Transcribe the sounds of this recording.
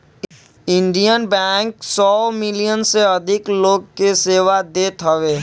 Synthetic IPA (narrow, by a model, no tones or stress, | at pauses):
ɪ̃ɳɖijənbɛːŋksɔːmɪlijənseɐd̪ʱɪkloːɡ̚keseːʋad̪eːt̪ɦəʋeː